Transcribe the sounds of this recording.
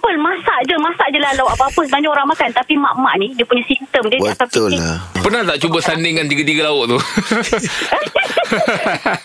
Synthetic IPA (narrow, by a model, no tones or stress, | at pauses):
pəlmasaʔd͡ʒəmãsaʔd͡ʒəlalawapəapəs̬əbaɲakoɾaŋmakant̪apima̰ʔmaʔnĩdiəpuɲasint̪əmdiəbiəatat̪ipərnaht̪aʔt͡ʃubəsandɪŋːant̪iɡət̪̬iɡəlaʊʔt̪u